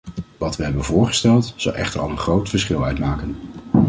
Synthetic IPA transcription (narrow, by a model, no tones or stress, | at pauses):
ʋɑtʋəɦɛbənvʊːɹχə̥stɛlˠtz̥ɑ̰lˠʔɛ̰χtəɹɑ̰lˠənχrowtfəɹsχɪlˠœɥtmaːkən